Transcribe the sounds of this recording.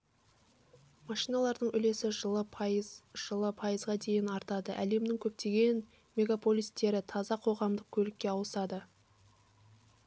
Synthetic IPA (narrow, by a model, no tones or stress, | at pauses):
mɑʃijnɑlˠɑɾd̪əɴʏle̞sɪʒəlˠə | ʒ̥əlˠəpʰɑjəzʁɑd̪e̞jɪnɑɾt̪ɑd̪əʔæle̞md̪ɪŋkʲʰɵp̚t̪e̞ɡʲe̞n | me̞ɡapʰo̞lʲijst̪e̞ɾɪt̪ʰɑzɑqʰo̞ʁɑmd̪əq̚kʲʰɵlɪkʲːe̞ɑwəsɑd̪ə